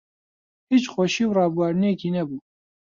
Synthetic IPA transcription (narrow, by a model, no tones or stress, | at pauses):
hiːt͡ʃxoʃiːwrɑːbuwɑːɾnekiːnɛbuː